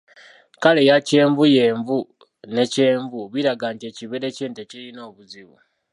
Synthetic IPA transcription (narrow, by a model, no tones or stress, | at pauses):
kale̞jace̞ːɱvuje̞ːɱvu | ne̞ce̞ːɱvuβiɾaɡaːntie̞ciβeɾe̞ceːnteciɾino̞ːβuziβṵ